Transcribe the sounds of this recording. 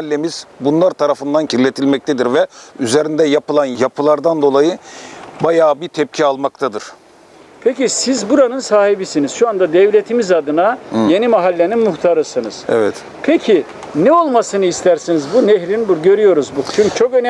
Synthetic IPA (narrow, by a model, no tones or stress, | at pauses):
lʲːemiz̥bunlˠaɾt̪ʰaɾafɯnd̪ancʰiɾlʲet̪ʰilʲmɛc̚t̪ɛd̪iɾvɛyzeɾind̪ɛjapɯlˠanjapʰɯlˠaɾd̪and̪o̞lˠajɯbajaːbit̪ʰɛp̚cʰialˠmakt̪ʰad̪ɯɾ̥ | pʰecisizbuɾanɯnsaːɦibisiniz̥ʃuand̪ad̪ɛvlʲe̞t̪ʰimizad̪ɯnaje̞nimaɦalʲːe̞ninmuxt̪ʰaɾɯsɯnɯz̥ɛ̰vɛt̪ | pʰecʰi | nɛo̞lˠmasɯnɯist̪ʰæɾsinizbuneɦɾinbuɾɟø̞ɾyjo̞ɾuzbut͡ʃʰyŋy̥t͡ʃʰokøn